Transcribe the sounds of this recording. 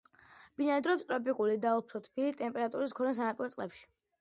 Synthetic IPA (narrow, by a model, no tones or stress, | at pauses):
b̥inaɛd̪ɾɔpst̪ʼɾɔpʼikʼulid̪aupʰɾɔt̪ʰpʰilit̪ʼɛmpʼɛɾat̪ʼuɾiskʰɔɾɛns̬anapʼiɾɔtsʼlɛpʃi̥